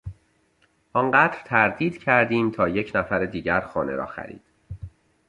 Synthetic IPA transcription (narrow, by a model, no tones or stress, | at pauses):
ʔɒnɢæːd̪ɾt̪ʰæɾd̪iːd̪̥cʰæɾd̪iːmt̪ʰɒːje̞cʰnæfæɾed̪iːɟæɾxɔːnḛɾɒ̰ːxæ̰ɾḭːd̪̥